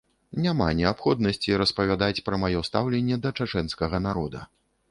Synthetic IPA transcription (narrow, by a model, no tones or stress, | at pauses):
nʲama̰nʲɛapxɔd̪nɐsʲt͡sʲiɾɐspɐvʲad̪at͡sʲpɾɐmajɔst̪awlʲɛnʲːɛd̪ɐt͡ʂat͡ʂɛnskɐɣɐnaɾɔd̪ɐ̰